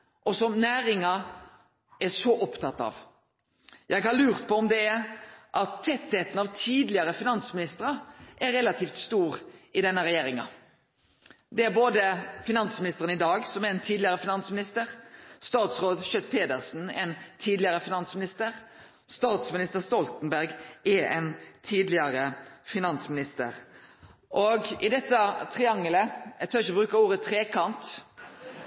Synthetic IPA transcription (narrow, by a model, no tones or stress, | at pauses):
ʔɔsɔnæːɾɪŋɑ | ʔæʂɔʔɔpt̪ʰɑt̪ːɑ̰ʋ | jæɪɡhɑɾlʉːʁt̪pʰɔɔmd̪ɛæɾʔɑt̪ʰːɛt̪heːt̪ənɑʋt̪ʰiːd̪lɪəɾəfɪnɑnsmɪnɪst̪əɾɑʔæɾɛlɑt̪ʰiːft̪st̪uːɾɪd̪ɛnːəɾɛjeːɾɪŋɑ̰ | d̪ɛæɾboːd̪əfɪnɑnsmɪnɪst̪əʁənɪd̪ɑːɡsɔmæɛnt̪ʰiːd̪lɪəɾəfɪnɑnsmɪnɪst̪əɾst̪ɑːt̪sʁoːd̪ʃœt̪̚ːpʰeːd̪əʁsn̩ɛnt̪ʰiːd̪lɪəʁəfɪnɑnsmɪnɪst̪əʁ | st̪ɑːt̪smɪnɪst̪əʁst̪ɔlt̪nbæʁɡɛɛ̰nt̪ʰiːd̪lɪɑɾəfɪnɑnsmɪnɪst̪ə̰ɾ | ʔoɡɪd̪ɛt̪ːət̪ʰʁɪɑŋːələɛt̪ʰøːɾɪçəbɾʉːkəɾuːɾət̪ʰʁeːkʰɑnt̪